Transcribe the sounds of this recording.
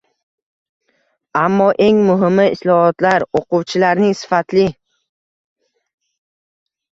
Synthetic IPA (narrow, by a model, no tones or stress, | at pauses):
amːɒʔe̞ŋmʊɦɪmːɪɪslɒhɒt̪laɾoqʊwt͡ʃʰɪlaɾnɪŋsɪ̥fat̪lɪ